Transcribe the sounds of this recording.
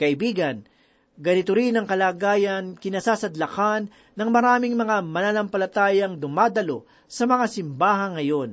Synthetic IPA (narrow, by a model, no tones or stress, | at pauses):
kɐʔɪbiːɡɐn | ɡɐnɪt̪oɾinɐŋkɐlaːɡaːjɐnkɪnɐsaːsɐd̪lɐkanː | ɐŋmɐɾaːmɪŋmɐŋamɐlaːnɐmpɐlɐt̪aːjɐŋd̪ʊmaːd̪ɐlo̞ | sɐmɐŋasɪmbaːɦɐŋːɐjo̞n